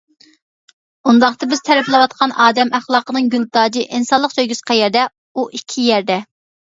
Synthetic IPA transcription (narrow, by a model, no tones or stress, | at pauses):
und̪ɑχt̪ɨbɪz̥t̪ʰɛɾɛplˠɨwɑt̪̚qʰɑnɑːd̪ɛmʔæχlˠɑːqənɨŋɡʲylˠd̪ɑːd͡ʒiʔinsɑnlˠəqsøjɡʲysqʰæjɛɾd̪ɛ | uʔikʲʰijɛɾd̪ɛ